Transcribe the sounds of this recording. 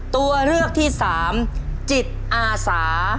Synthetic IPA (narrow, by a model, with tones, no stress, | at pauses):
t̪u˧ɐɾɯ˥˩ək̚t̪ʰiː˥˩saː˩˦mt͡ɕi˨˩t̪̚ʔaː˧saː˩˦